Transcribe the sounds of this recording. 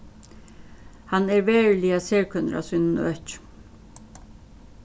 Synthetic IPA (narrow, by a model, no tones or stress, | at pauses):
hɑneːɾʋeːɹliːɑseːɹkʰœnɾʔɑ̰sʏnn̩œc